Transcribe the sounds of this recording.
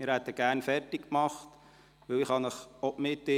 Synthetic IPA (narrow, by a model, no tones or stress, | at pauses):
mɪɾhæt̪əɡ̥æːɾnfɛrtɪkkmɑχt | ʋɵwɪχɑnəχɔpmɪtɪ